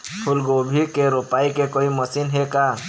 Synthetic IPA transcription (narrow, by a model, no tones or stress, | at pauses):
pʰulɡobʱikeɾopaikekoiməsinɦeka